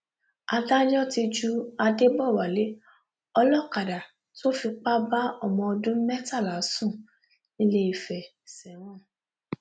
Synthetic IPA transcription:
a˧da˦d͡ʒɔ̃˦ti˧d͡ʒu˦a˧de˦bɔ˦˨wa˨le˨˦ | ɔ˧lɔ˦˨ka˨da˨ | ti˦o˦fi˧k͡pa˦ba˦ɔ˦˨mɔ̃˧ɔ˧dũ˦mɛ˦ta˦˨la˨˦sũ˦˨ | nĩ˦le˧i˨fɛ˨ | sɛ˨w̃ɔ̃˦

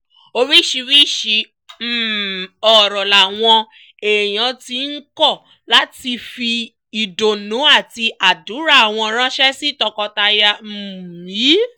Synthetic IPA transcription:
o˧wi˦˨ʃi˧wi˦˨ʃi˧ | m̩˦˨ɔ˨ɾɔ˨la˨w̃ɔ̃˧ | e˨j̃ã˨˧ti˧˦n̩˦kɔ˦˨ | la˦ti˧fi˧ | i˨do˨nũ˨˦a˦˨ti˧ʔa˨du˨˦ɾa˦˨a˨w̃ɔ̃˧ɾ̃ã˦ʃɛ˦si˦˨tɔ˧kɔ˧ta˧ja˧m̩˨mĩ˨˦

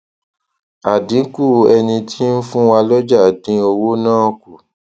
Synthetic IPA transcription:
a˨dĩ˨˦ku˦˨ɛ˧nĩ˧tʰi˦n̩˦fũ˦wa˧lɔ˦d͡ʒa˦˨dĩ˧˦o˧wo˦nãː˦˨ku˨

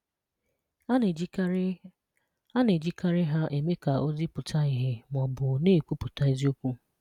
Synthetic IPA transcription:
a˦ne˨d͡ʒi˦ka˦ɾɪ˦ɦa˦ʔe˨me˦ka˨o˦zi˦pʊ˨tʰa˦ɪ˦ɦɪ˦m˨ɔ˨bʊ˨neː˦˨kʷu˦pʊ˨ta˦i˦zi˦o˦kʷu˦

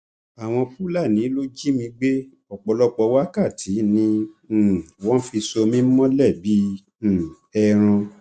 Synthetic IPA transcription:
a˨w̃ɔ̃˧pu˦la˦˨nĩ˨˦lo˦d͡ʒi˦mĩ˧ɡ͡be˦ | ɔ˨k͡pɔ˧lɔ˦k͡pɔ˧wa˦ka˦˨tʰi˨˦nĩ˧˨ | wɔ̃˦fi˧so˧mĩ˦m̩˦mɔ̃˦lɛ˦˨bĩ˨˦˨ | ɛ˧ɾ̃ã˧

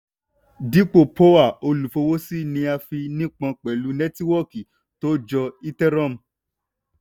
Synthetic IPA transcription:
di˦k͡po˦˨po˦wa˦˨o˧lu˨fo˧wo˦si˦nĩ˧a˧fi˧nĩ˦k͡pã˧k͡pɛ˨lu˨˦nɛ̃˦ti˦wɔ˦ki˨ | to˦d͡ʒɔ˧i˦tɛ˦ɾã˦˨m̩˨

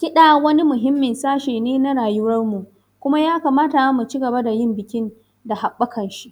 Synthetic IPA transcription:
kʲɪ˦ɗa˨wɐ˦ni˦mʊ˨ɦɪ˦mːɪ˨nsaː˦ʃeː˨neː˦na˦ɽaː˨jʊ˦wɐ˦rmu˨ | kʷʊ˦ma˦jaː˦kaː˨maː˦ta˨ja˦mu˨t͡ʃi˦ɡɐ˨ba˦da˨jɪ˦mbɪ˨kʲɪ˦n | da˨ɦa˨ɓːɐ˦kɐ˨nʃi˦ʔ

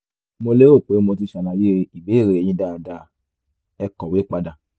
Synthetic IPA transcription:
mo˧le˦ɾo˦˨k͡pe˨˦mo˧ti˧ʃa˨nã˨je˦˧i˨be˨˦i˦˨ɾe˨˧e˨j̃ĩ˧˦da˦˨da˧˨ | ɛ˧kɔ˨we˨˦k͡pa˧da˧˨

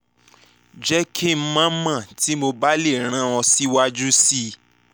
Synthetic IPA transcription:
d͡ʒɛ˦kʰi˦m̩˦mã˦mã˦˨ti˨˦mo˧ba˦le˦˨ɾ̃ã˨˦ɔ̃˧si˦wa˦d͡ʒu˦si˦

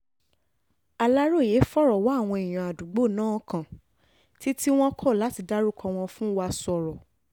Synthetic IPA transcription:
a˨la˦ɾo˦˨je˨˦fɔ˦ɾɔ˨wa˨˦˨w̃ɔ̃˧i˨j̃ã˨a˨du˨ɡ͡bo˦˨nãː˦kã˨ | ti˦ti˦w̃ɔ̃˦kʰɔ˦˨la˨˦ti˧da˦ɾu˦˨kʰɔ̃˧w̃ɔ̃˧fũ˦wa˧sɔ˨ɾɔ˨

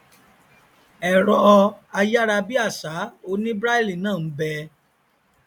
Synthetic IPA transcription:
ɛ˨ɾɔ˧a˧ja˦ɾa˧bi˦a˦˨sa˨˦o˧nĩ˦bɾa˦i˦li˦˨nãː˦˨m̩˦bɛ˧

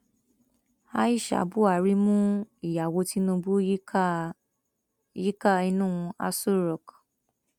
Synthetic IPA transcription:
a˦i˦˨ʃa̰˨˦bu˦a˦˨ɾi˦mũ˦i˨ja˨wo˧ti˨˦nũ˧bu˦ | ji˦ka˦i˧nũ˦˧a̰˧su˦ɾɔ˨k

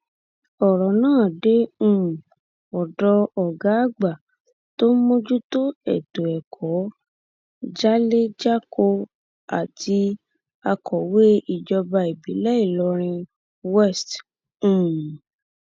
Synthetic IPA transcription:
ɔ˨ɾɔ˨nãː˦˨de˨˦ũ˦˨ | ɔ˨dɔ˧ɔ˨ɡa˨˦ɡ͡ba˨ | to˦mo˦d͡ʒu˦to˦ɛ̰˨to˨ɛ˨kʰɔ˨˦ | d͡ʒa˦le˦d͡ʒa˦ko˧ | a˨tʰi˧˦ | a˧kʰɔ˨we˦i˨d͡ʒɔ˧ba˧i˨bi˨˦lɛ˦i˦˨lɔ˧˦ɾ̃ĩ˧ | wɛ˦st | ũ˨

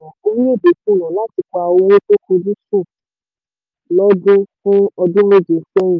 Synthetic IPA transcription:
ã˨o˦mĩ˦e˦˨be˨fũ˦˨nã˨la˦ti˨˧ka˧o˧wo˦to˦kũ˧dĩ˦sũ˦˨ | lɔ˦dũ˦fũ˦ɔ˧dũ˦me˦˨d͡ʒi˨˦fɛ̃˦ĩ˨

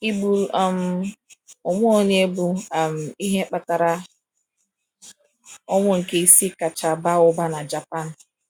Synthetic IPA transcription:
i˦bu˦la˨m̩˦ | ʊ˨mʊ˦o˦ɲe˦bu˦a˨m̩˨i˦ɦe˦k͡pa˦ta˨ɾa˦ | ɔ˦ŋʷʊ˦ŋ̩˨ke˦i˦si˦ka˨t͡ʃa˨ba˦ʊ˦ba˦na˨d͡ʒa˨pa˦n̩˨

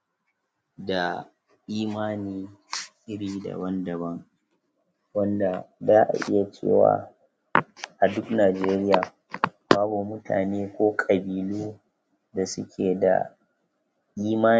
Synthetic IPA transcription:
da˨ | ʔiː˦maː˦niː˦ʔɪ˦ɽiː˦da̰˨bɐ˦ndɐ˨bɐ˦ŋ | wɐ˦nda˨zaː˦ʔa̰˨ʔɪ̰˦ja˨t͡ʃḛː˦˨wa̰ː˦ | ʔa˨dʊ˦knaː˨d͡ʒeː˦ɾɪ˦jaː˨ | baː˦bu˨mʊ˦tʰa̰ː˨neː˦kʷoː˦kʼɐ˨biː˨loː˦ | da˨sʊ̰˦kʲʰeː˨da̰˨ | ʔiː˦maː˦

